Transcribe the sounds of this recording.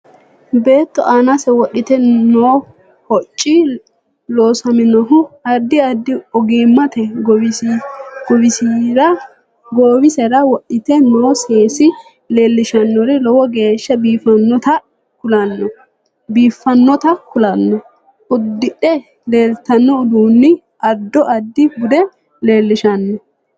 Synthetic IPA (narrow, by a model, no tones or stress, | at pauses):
be̞ːt̪ːɔʔaːnasɛwɔɗːɪt̪ɛnoː | hɔt͡ʃʼːi | loːsɐmɪnɔɦʊɐɾd̪ɪɐɾd̪ɪɔɡeːmːɐt̪ɛɡɔ | ɡɔbɪsiɾɐ | ɡoːbɪsɛɾɐwɔɗɪt̪ɛnoːseːsɪ | le̞ːlːɪʃɐnːɔɾɪlɔwɔɡe̞ːʃːɐbiːfɐnːɔt̪ɐ | kʊlɐnːɔ | biːfːɐnːɔt̪ɐkʊlɐnːɔ | ʔʊd̪ːɪɗɛ | le̞ːlt̪ɐnːɔʊd̪uːnːɪ | ɐɾd̪ːɔʔɐd̪ːɪɡʊd̪ɛ | le̞ːlːɪʃɐnːɔ